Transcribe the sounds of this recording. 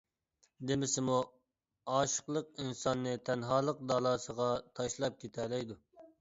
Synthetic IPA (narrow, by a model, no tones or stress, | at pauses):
d̪ɪmɪsɪmu | ɑːʃə̥qlˠəq̚insɑnːɨt̪ʰɛnɦɑːlˠəq̚d̪ɑlˠɑːsəʁɑt̪ʰɑʃlˠɑp̚kʲʰet̪ʰɛlɛjd̪u